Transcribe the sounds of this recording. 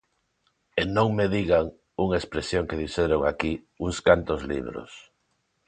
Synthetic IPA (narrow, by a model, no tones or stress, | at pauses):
enõŋmeðiɣaŋ | uŋaespɾesjoŋkeðiʃeɾoŋaki | uŋskant̪ozlḭβɾo̰s